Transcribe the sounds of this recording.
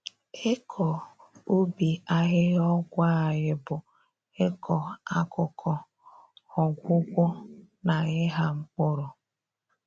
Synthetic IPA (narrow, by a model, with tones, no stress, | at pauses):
e˦kʰɔ˨o˦bi˨a˦ɦɪ˦ɔ˦ɡʷa˦a˨ɣɪ˦bʊ˨ | e˦kʰɔ˨a˦kʊ˨kʰɔ˨ | ɔ˨ɡʷʊ˦ɡʷɔ˦ | na˨ɪ˦ɦa˦ŋ͡m̩˦k͡pʊ˦ɾʊ˨